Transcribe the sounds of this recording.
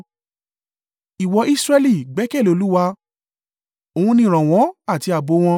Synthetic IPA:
i˨wɔ˧i˦sɾɛ˦˧li˦˨ɡ͡bɛ˨˦kɛ˦˨lo˧lu˦wa˧ | o˧hũ˧nĩ˦˨ɾ̃ã˨w̃ɔ̃˨˦a˦˨ti˧˦a˨bo˨˧˦w̃ɔ̃˧

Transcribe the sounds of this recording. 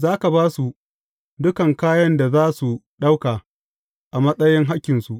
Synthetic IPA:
zaː˦ka˨baː˦su˨ | dʊ˦kɐ˨ŋkaː˦jɐ˦nda˨zaː˦su˨ɗa˦wkaː˨ | ʔa˨mɐ˦sʼɐ˦jɪ˦ŋɦa˦kʲːɪ˨nsu˨ʔ

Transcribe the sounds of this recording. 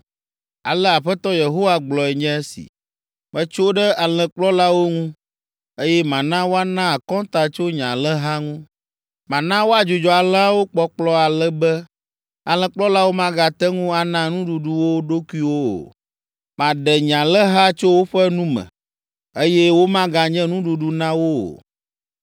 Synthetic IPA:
a̰˨lɛ˦a˨ɸɛ˦t̪ɔ˦je˨ɦo˦wa˦ɡ͡blɔ˨ɛ˨ɲɛ̃˦e˦sḭ˨ | mɛ̃˦t͡ʃo˦ɖɛ˦a˨l̃ɛ̃˨k͡plɔ˦la˦wo˦ŋũ˦ | e˦jɛ˦mã˨nã˦wo˦a˦nã˦a˨kɔ̃˦t̪a˨t͡ʃo˦ɲã̰˨lɛ˦ɦa˦ŋũ˦ | mã˨nã˦wo˦a˨d͡ʒo˨d͡ʒɔ˨a˨lɛ˦a˦wo˦k͡pɔ˨k͡plɔ˦a˨lɛ˦bɛ˦ | a˨l̃ɛ̃˨k͡plɔ˦la˦wo˦mã˦ɡa˨t̪ɛ˦ŋũ˦a˨nã˦nũ˦ɖu˨ɖu˨wo˦ɖo˦ku˦i˦wo˦o̰˨ | mã˨ɖɛ˨ɲã˨lɛ˦ɦa˦t͡ʃo˦wo˦ɸɛ˦nũ˦mɛ̰̃˨ | e˦jɛ˦wo˦mã˦ɡa˨ɲɛ̃˦nũ˦ɖu˨ɖu˨nã˦wo˦o̰˨

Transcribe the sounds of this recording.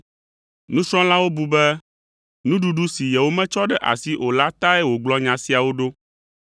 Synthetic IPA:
nũ˦sɾ̃ɔ̃˦la˦wo˦bu˨bɛ˦ | nũ˦ɖu˨ɖu˦si˨jɛ˨wo˦mɛ̃˦t͡ʃɔ˦ɖɛ˦ʔa̰˨si˦ʔo˨la˦t̪a˦ɛ˦wo˨ɡ͡blɔ˦ɲã˨si˦a˨wo˦ɖo˦

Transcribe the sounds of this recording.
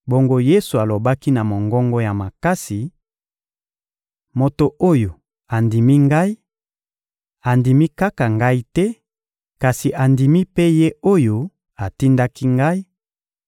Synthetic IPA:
bo˨ŋɡo˦je˦su˨a˨lo˨ba˦ki˦na˨mo˨ŋɡɔ˦ŋɡo˦ja˨ma˨ka˦si˨ | mo˨to˨ʔo˦jo˨ | a˨ndi˨mi˦ŋɡa˦i˦ | a˨ndi˨mi˦ka˦ka˨ŋɡa˦i˦tɛ˦ | ka˨si˨ʔa˨ndi˨mi˦pe˦je˦o˦jo˦ | a˨ti˦nda˦ki˦ŋɡa˦i˦

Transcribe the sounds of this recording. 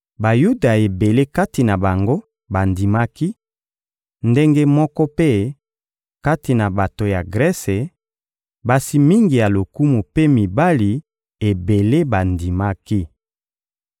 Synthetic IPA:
ba˨ju˦da˨e˨be˨le˦ka˦ti˨na˨ba˨ŋɡo˦ | ba˨ndi˨ma˦ki˦ | nde˦ŋɡe˦mɔ˦kɔ˦pe˦ | ka˦ti˨na˨ba˨to˨ja˨ɡʁɛ˦se˨ | ba˨si˦mi˦ŋɡi˨ja˨lo˨ku˦mu˨pe˦mi˨ba˦li˨ | e˨be˨le˦ba˨ndi˨ma˦ki˦

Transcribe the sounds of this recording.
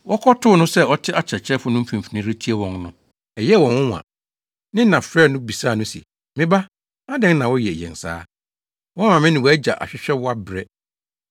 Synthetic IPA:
wʔɔ˦kʰɔ˦tʰʊ˦nʊ̃˦sɛ˦ɔ˦tʰɪ˦ʔa˦t͡ɕʰɛ˨t͡ɕʰɛ˦fʊ˦nʊ̃˦m̩˦fĩ˨m̩˨fi˨nĩ˦ɾi˦tʰi˦e˦wɔ̃˨ŋnʊ̃˦ | ɛ˨jɛ˦˨wɔ̃˨nwʊ̃˦˨ã̰˨ | nɪ̃˦nã˨fɾɛː˦˨nʊ̃˦bi˨saː˦˨nʊ̃˦sḭ˨ | mɪ̃˦ba˦ | a˦dɪ̃˦ŋ˦nã˨wɔ˦jɛ˨jɛ̰̃˨nsa̰ː˦ | wɔ˦mã˨mɪ̃˦nɪ̃˨wɔ˨æ˦d͡ʑa̰˨ʔa̰˨ɕᶣɪ˦ɕᶣɛ˦wɔ˦a˦bɾɛ˦

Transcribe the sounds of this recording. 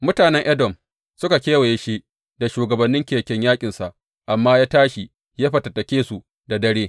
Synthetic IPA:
mʊ˦taː˨nɛ˦ŋʔɐ˦dɔ˨m | sʊ˦ka˨kʲeː˦wa˨je˦ʃi˦ | da˨ʃuː˨ɡɐ˨bɐ˨nːɪ˦ŋkʲeː˨kʲɛ˦ɲjaː˦kʲʼɪ˨nsa˨ʔ | ʔa˨mːaː˦jaː˦taː˦ʃi˨ | jaː˦ɸɐ˨tɐ˨tɐ˨kʲeː˦su˨ | da˨dɐ˦ɽeː˦

